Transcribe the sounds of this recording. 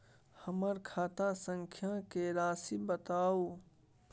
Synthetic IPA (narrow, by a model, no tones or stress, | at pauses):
həməɾkʰaːt̪asə̃ŋkʰjãkeɾaːsibət̪aːoː